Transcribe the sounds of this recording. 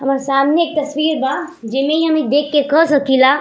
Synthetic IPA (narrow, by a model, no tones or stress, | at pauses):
ɦɐmaːɾsaːmneeːk̚t̪ɐswiːɾbad͡ʒɪmẽiɦɐmĩd̪eːkʰːekəsɐkʰilaː